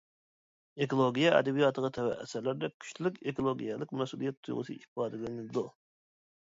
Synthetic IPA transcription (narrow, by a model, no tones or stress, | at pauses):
ekolˠoɡʲijɛɛ̰d̪ɛbijɑt̪ʰəʁət̪ʰɛwɛ̰ʔɛ̰sæɾlæɾd̪ɛkʲʰy̥ʃt̪ylykʲekolˠoɡʲijɛlɪkʲmɛsulˠijɛt̪ʰːuj̰ʁʊ̰sɨifɑːd̪ɨlɪnɨd̪u